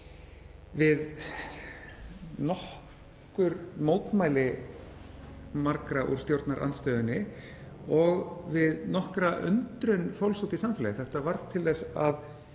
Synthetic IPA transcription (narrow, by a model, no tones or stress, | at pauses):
vɪð | nɔh | kʏɾmoːwt̪maːjlɪ | maɾkɾaʔṵɾ̥st̪jowɾt̪naɾʔa̰nt̪st̪œːðʏnːɪ | ɔɣvɪðnɔhkɾaʔʏ̰nt̪ɾʏnfawlsowt̪isamfɛlajɪθɛht̪avaɾð̥t̪ʰɪlðɛsa̰ð